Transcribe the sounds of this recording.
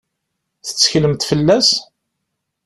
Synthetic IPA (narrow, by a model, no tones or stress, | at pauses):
θə̥t͡sːçləmt̪fəlːæs